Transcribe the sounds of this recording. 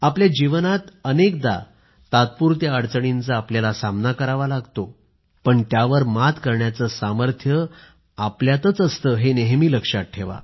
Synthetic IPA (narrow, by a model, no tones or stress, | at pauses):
apljad͡ʑiʋənat̪ənekd̪a̰ | t̪at̪̚puːɾt̪jaəɽt͡səɽint͡saːpljalasamnakəɾaʋalaɡt̪o | pəɳt̪jaʋəɾmat̪kəɾɳjat͡səsaməɾt̪ʰjə | apljat̪ət͡səst̪əːɦeneɦmiːləkʂat̚ʈʰːeʋa̰